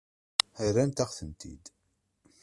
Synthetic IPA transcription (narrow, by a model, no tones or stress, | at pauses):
əɾænt̪æχθənt̪ḭd̪